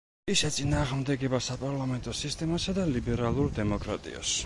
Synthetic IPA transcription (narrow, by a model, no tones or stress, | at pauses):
isʃɛt̪sʼinaːʁmd̪ɛɡɛbasapʼaɾlˠamɛnt̪ʼɔsist̪ʼɛmasad̪alibɛɾalˠuɾd̪ɛmɔkʼɾa̰t̪ʼḭɔ̰s